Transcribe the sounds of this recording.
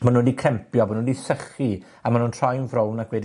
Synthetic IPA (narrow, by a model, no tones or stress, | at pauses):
mɔnoːdikʰrɛmpjɔbɔnodisəχi | amanuːntʰrajnvɾownakwɛdi